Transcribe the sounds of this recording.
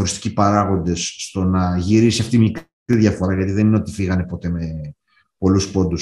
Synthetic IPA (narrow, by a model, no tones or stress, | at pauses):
oɾist̪i̥cipɐɾɐɣo̞nd̪e̞sːt̪o̞nɐʝiɾisiɐft̪imik | iðʝɐfo̞ɾɐʝɐt̪iðe̞nineo̞t̪ifiɣɐnepo̞t̪e̞me̞ | po̞luspo̞nd̪us